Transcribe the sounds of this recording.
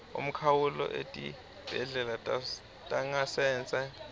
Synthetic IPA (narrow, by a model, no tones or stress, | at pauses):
ṵm̩kʰawulɔ̰ʔḛtʼḭ | b̥ʱɛɮɛlatʼ | tʼaŋasɛːnt͡sʼɛ